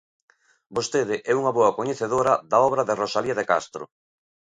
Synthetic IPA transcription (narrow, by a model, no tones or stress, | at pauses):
bost̪eðɪʔɛuŋɐβɔɐkoɲeθeðoɾɐðaɔβ̞ɾɐðerosaliɐðeka̰st̪ɾo̰